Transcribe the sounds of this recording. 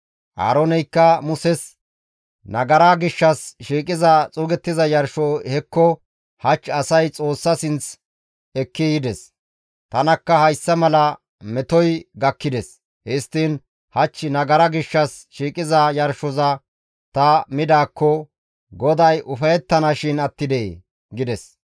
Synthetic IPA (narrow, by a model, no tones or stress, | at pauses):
ʔa̰ːɾɔnɛjkːɐmʊsɛs | nɐɡɐɾaɡɪʃːɐsʃiːkʼɪzɐt͡sʼʊːɡɛt̪ːɪzɐjɐɾʃɔhɛkːɔ | hɐt͡ʃːɐsɐjt͡sʼo̞ːsːɐsɪnt͡s | ɛkːɪjɪd̪ɛs | t̪ɐnɐkːɐhɐjsːɐmɐlɐ | mɛt̪ɔjɡɐkːɪd̪ɛs | hɛst̪ːiːn | hɐt͡ʃːɪnɐɡɐɾɐɡɪʃːɐs | ʃiːkʼɪzɐjɐɾʃɔzɐ | t̪ɐmɪd̪aːkːɔ | ɡɔd̪ɐjʔʊfɐjɛt̪ːɐnɐʃɪnɐt̪ːɪd̪e | ɡɪd̪ɛs